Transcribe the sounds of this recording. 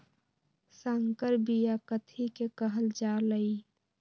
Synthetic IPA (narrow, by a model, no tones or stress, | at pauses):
səŋkəɾbijakət̪ʰikekəɦəld͡ʒaːləi